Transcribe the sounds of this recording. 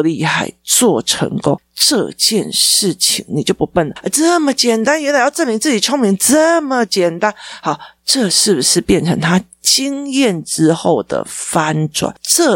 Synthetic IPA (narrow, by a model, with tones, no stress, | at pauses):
li˥˧xa˥˩ɪt͡swɔ˥˩ʈ͡ʂʰə̰˧˥ŋkʊ˦˥ŋ | ʈ͡ʂɤ˥˧t͡ɕjɛ˥˧nʂɻ̩˥˩t͡ɕʰḭ˧˩ŋni˨˩t͡ɕjo˥˩ʊpu˧˦˥pə˥˩nlə˩˧t͡sə˥˧mə˨t͡ɕjɛ˨˩nt̪a˥njɛ˧˥la˨˩˦jɑ˥˧ʊʈ͡ʂə˥˩nmi˧˥ŋt͡sɹ̩˥˩t͡ɕi˨˩ʈ͡ʂʰʊ˥ŋmi˧˥ŋʈ͡ʂə˥˩mə˨t͡ɕjɛ˨˩nt̪a˥nhɑ˨˩˦ʈ͡ʂɤ˥˧ʂɻ̩˥˩bu˨˩ʂɻ̩˥˧pjɛ˥˩nʈ͡ʂʰɤ˧˥ŋt̪ʰa˥ | t͡ɕi˥ŋjɛ˥˩nʈ͡ʂɻ̩˥xo˥˩ʊd̪ə̰˩fa˥nʈ͡ʂwa̰˨˩˦nʈ͡ʂɤ˥˧